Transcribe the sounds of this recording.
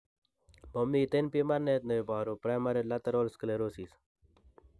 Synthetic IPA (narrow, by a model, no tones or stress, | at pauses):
momiːt̪enpimɐɾneːt̪̚neibɑːɾopɾaːmɐɾelɐt̪ɐɾoːlskəleɾoːsiːs